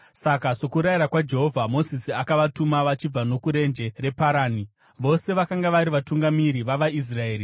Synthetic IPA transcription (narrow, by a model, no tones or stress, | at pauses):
sakaso̞kuɾajiɾakwad͡ʒe̞ɦo̞vʱamo̞zisiakaʋatumaʋat͡ʃib͡vano̞kuɾe̞nd͡ʒe̞re̞paɾaːni | ʋo̞se̞ʋakaŋɡaʋaɾiʋatuŋɡamiɾiʋaʋais̬rae̞ːɾi